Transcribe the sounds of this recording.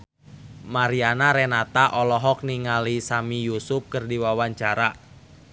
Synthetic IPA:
maɾianaɾɛnat̪aʔɔlɔɦɔk̚niŋalisamijusʊp̚kərdiwawaɲt͡ʃaɾa

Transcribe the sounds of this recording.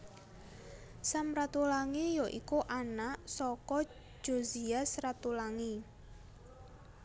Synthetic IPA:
samɾat̪ulaŋijoʔikuʔanaʔsɔkɔ̥ | d͡ʒ̥oziasrat̪ulaŋi

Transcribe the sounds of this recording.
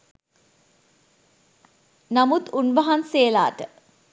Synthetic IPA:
namut̪unʋaɦanseːla̰ːʈə

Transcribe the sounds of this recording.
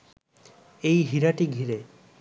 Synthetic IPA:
ejɦiɾaʈiɡʱiɾe

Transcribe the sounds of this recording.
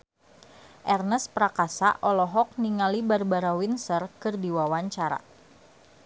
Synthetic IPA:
ʔɛrnəspɾakasa̰ʔɔlɔɦɔk̚niŋalibarbaɾawinsərkɨrdiwawaɲt͡ʃaɾa̰

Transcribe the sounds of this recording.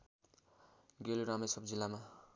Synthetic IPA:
ɡeluɾamesʌbd͡zilːama

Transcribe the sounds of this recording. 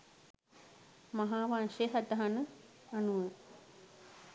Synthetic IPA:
maɦaːʋanʃeɦat̪aɦanə | anuʋə

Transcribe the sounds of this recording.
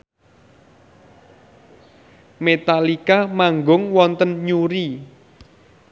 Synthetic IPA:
met̪alikamaŋɡʊŋwɔnt̪ənɲuɾi

